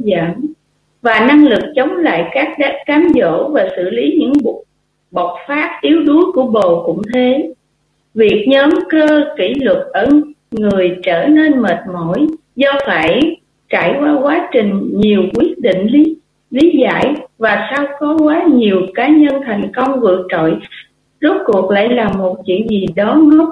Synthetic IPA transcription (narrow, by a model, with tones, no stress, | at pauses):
za˧˩n | vaː˨˩na˧ŋlɨ˨˩k̚t͡ɕə˨˦wŋ͡mla̰ː˧˨jkaː˦˥k̚ɗaː˦aː˨˦mzo̰˧˥vaː˨˩sɨ̰˧˨li˨˦ɲɨ̰˧˥ŋ˨ | ɓə˨˩wt̚faː˦˥p̚ʔi˨˦əwɗu˨˦əku˧˩əɓo˨˩kʊ̰˧˥ŋ͡mt̪ʰe˨˦ | vi˨˩ək̚ɲəː˨˦mkəː˧ki˧˩lɨ˨˩k̚ʔə˧˩ŋɨ˨˩əjt͡ɕəː˧˩ne˧nməː˨˩t̚mo˧˩j | zɔ˧faː˧˩j | t͡ɕaː˧˩˨jkwaː˧kwaː˨˦t͡ɕï˨˩ŋ̟ɲi˨˩əwkwi˦˥ət̚ɗḭ˧˨ŋ̟li˨˦ | li˨˦za̰ː˧˨jvaː˨˩saː˧wkɔ˨˦kwaː˨˦ɲi˨˩əwkaː˨˦ɲə˧nt̪ʰa˨˩jŋ̟kə˧wŋ͡mvɨ̰˧˨ək̚t͡ɕo̰˧˨j | zə˦˥t̚ku˨˩ək̚la̰ː˧˨jlaː˨˩mːo˨˩t̚t͡ɕwḭ˧˨ənzi˨˩ɗɔ˨˦nɔ˦